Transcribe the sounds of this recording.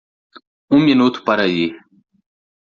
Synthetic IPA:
uminuːt̪ʰu̥pɐɾaji

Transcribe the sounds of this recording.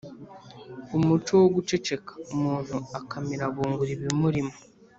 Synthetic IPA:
umutuwoɡut͡ʃe̞t͡ʃe̞kḁomuːn̥uakʰamiɾaβuːŋɡuɾiβimuɾimo

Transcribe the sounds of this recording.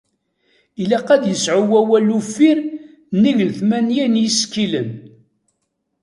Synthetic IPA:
ilæqæd̪jəsʕuwæwælːufiɾ | nːiʝəlθmænjænjiskːilən

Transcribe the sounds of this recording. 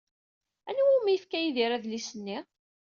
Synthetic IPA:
ænwumijəfkæjiðiɾæðlisənːi

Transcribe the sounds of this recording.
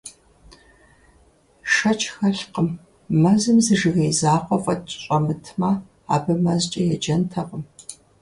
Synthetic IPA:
ʂɐt͡ʃʼʰxɐɬqəmː | ɐzɨmzɨʒɨɣejzaːqʷɔfʼɐt͡ʃʼɕʼɐmɨtʰmɐ | a̰ːbɐmɐzt͡ʃʼɐjɛd͡ʒɐntʰɐqʼəm

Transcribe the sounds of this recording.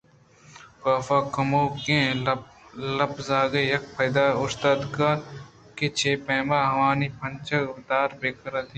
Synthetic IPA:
kaːfaːkɐmoːkẽː | lɐbzaːɡejɐk̚pʰɐjd̪aːʊst̪aːd̪ka | ket͡ʃʰeːpɛ̃ːmaːɦɐʋaːniːpʰɐnt͡ʃɐt̪aːɾbeːkɐɾat̪i

